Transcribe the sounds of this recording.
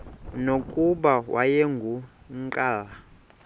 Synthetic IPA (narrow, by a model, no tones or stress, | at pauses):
nokʼuɓawa̰jeŋɡʱu | ǃʼaːla